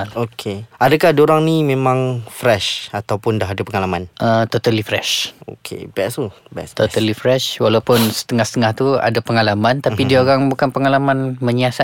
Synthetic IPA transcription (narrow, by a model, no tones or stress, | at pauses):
okʰeadakahdoɾaŋnimemãŋfɾɛʃat̪awpʊndaɦadapəŋalamanʔət̪ot̪alifɾɛʃo̰kʰḛbɛsubɛt̪ot̪alifɾɛʃwalawpʊnsə̥t̪əŋahsə̥t̪əŋaht̪ua̰dapəŋalamãnt̪appidiaoɾaŋbukanpəŋalamanməɲiasa